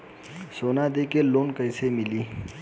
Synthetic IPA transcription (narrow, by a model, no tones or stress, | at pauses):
soːnad̪ekeloːnkəjsemiliː